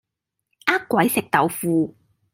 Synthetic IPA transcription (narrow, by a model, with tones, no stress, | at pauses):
ʔaː˥kkʷːwɐ˨˥jsɪ˨k̚t̪ɐ˨˧wfuː˧